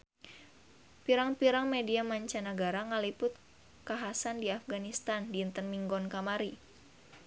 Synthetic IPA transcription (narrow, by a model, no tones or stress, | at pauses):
piɾaŋpiɾaŋmediamaɲt͡ʃanəɡaɾaŋəlipʊt̪̚ | kaɦasandiafɡanist̪andiːnt̪ərmiŋɡɔnkamaɾi